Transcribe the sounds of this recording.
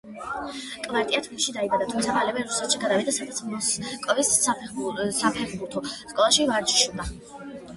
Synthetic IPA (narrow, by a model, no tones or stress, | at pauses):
kʼvaɾt̪ʼiat̪ʰvimʃid̪aibad̪at̪ʰumt̪sʰamalɛvɛɾusɛt̪ʃiɡad̪avid̪asad̪at̪sʰmɔskʼɔvis | sapʰɛʁbuɾt̪ʰɔskʼɔlˠaʃivaɾt͡ʃʰʼʃud̪a